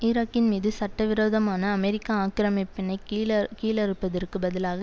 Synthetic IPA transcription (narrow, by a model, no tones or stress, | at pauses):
ɪɾaːkːɪnmiːðɯsɐʈːɐʋɪɾoːðɐmaːnɐːmɛɾɪkːaaːkɪɾɐmɪpːɪnɐɪkkːiːlɛɾɯpːɐðɐrkɯbɐðɪlaːɣɐ